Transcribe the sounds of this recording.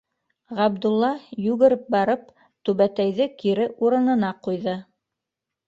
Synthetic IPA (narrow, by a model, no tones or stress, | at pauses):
ʁɑbd̪ulˠːɑjʉɣɘ̆ɾɘp̚bɑɾɤp̚ | t̪ʉβæt̪æjðɘkiɾɘʔuɾɤ̆nɤ̆nɑqujðɤ